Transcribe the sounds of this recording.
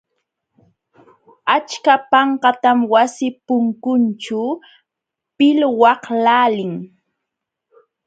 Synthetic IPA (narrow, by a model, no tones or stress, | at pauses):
at͡ʃkapɑɴqɑt̪amwasɪpʊŋkʊnt͡ʃʊ | pɪlwɑhlaːlɪŋ